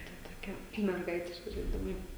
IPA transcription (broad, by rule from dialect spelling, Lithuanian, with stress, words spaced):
tɐ toːˈkʲɛ mʲɛrˈɡɐɪtʲɪʃʲkʲɪ ʒɐɪˈdʲɪmɐɪ